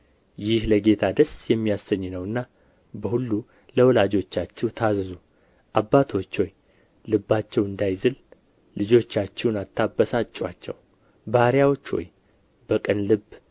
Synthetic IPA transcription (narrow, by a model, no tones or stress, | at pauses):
jɪhləɡe̞t̪ʰad̪əsjɛmːijasːəɲːnəwɨnːa | bəhulːu | ləwɔlad͡ʒo̞t͡ʃːat͡ʃːɛwt̪ʰazzu | ʔabːat̪ʰo̞t͡ʃːho̞j | lɨbːat͡ʃːɛwɨnd̪ajzɨl | lɨd͡ʒo̞t͡ʃːat͡ʃːɛwnat̪ʰːabːəsat͡ʃʼːwat͡ʃːɛ̰w | bahɾjawo̞t͡ʃːwo̞̰j | b̥əkʼənlɨbː